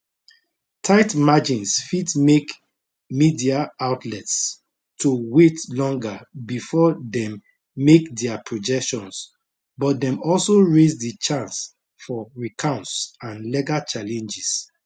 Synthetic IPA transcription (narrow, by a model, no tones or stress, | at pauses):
tʰaɪtmad͡ʒĩnsfidmek | midiaaʊtʰlɛts | tʰuwetlɔ̃ŋɡabifɔdɛ̃mː | ekdɛapʰɹɔd͡ʒɛkʃɔ̃ns | bɔt̚dɛ̃mɔlsoɹezdit͡ʃãns | fɔɹikʰãʊ̃ntsãnlɛɡat͡ʃalɛ̃nd͡ʒis